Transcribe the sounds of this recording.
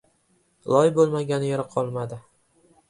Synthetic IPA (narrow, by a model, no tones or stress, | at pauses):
lˠɒjbolˠmaɡʲanɪjeɾaqʰɒlˠmad̪ɪ